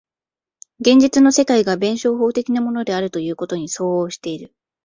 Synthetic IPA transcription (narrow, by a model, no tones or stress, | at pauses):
ɡẽ̞ɲ̟d͡ʑit͡sɨno̞se̞kaiɡabẽ̞ɰ̃ɕo̞ːɦo̞ːt̪e̞kʲinamo̞no̞d̪e̞aɾɯ̟t̪o̞jɯ̟ːko̞t̪o̞ɲ̟iso̞ːoːɕi̥t̪e̞iɾɯ̟